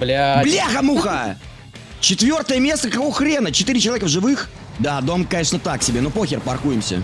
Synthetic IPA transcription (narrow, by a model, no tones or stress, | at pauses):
blʲablʲaɣəmuxə | t͡ɕɪt̪vʲo̞rt̪əjəmʲe̞st̪əkɐkovxɾʲenət͡ɕɪt̪ɨɾʲɪt͡ɕɪlˠɐvʲekəvʐɨvɨx | d̪ad̪o̞mkɐeʂnət̪aksʲɪbʲenopoxʲɪrpɐrkujɪmsʲə̰